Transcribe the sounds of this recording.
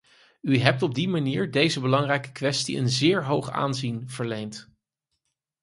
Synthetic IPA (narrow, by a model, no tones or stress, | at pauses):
yɦɛp̚tɔb̚dimaniːɹdejzəbəlɑŋrɛjkə̥kʋɛstḭʔə̰nzɪːɹɦowχa̰ːnzinv̥əɹlejnt